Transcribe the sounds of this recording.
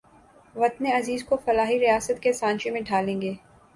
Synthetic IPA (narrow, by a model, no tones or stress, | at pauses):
ʋɐt̪neɐziːzkofɐlaːɦiɾijaːsət̪̚kesãːɲt͡ʃimẽɖʱaːlẽːŋɡeː